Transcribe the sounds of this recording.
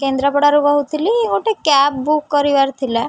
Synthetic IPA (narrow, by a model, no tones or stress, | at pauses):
kend̪ɾapɔɽaɾubɔɦut̪ʰiliɡoʈekɛp̚bukːɔɾiʋaɾt̪ʰila